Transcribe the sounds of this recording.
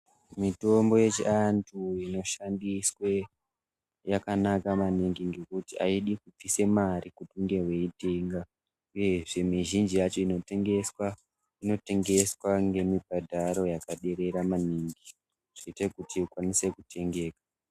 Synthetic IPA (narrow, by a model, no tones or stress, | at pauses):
mito̞mbo̞je̞t͡ʃḭantʰuino̞ʃandiswe | jakanakamaniŋɡiŋɡe̞kutia̰iɗikup͡fise̞maɾikutuŋɡe̞rwe̞iteːŋɡa | uje̞ʐe̞miʒind͡ʒijat͡ʃo̞inotŋewa | ino̞te̞ŋɡe̞swaŋɡe̞mibʱadʱaɾo̞jakaɗe̞ɾe̞ɾamaniːŋɡi | ʐ̥iitekutʰiukwanise̞kutʰe̞ŋɡe̞ːkḁ